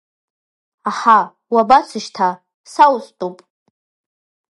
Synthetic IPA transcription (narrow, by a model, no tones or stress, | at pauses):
aħa | wabat͡sʰɨʃtʰa | sawstʼupʼ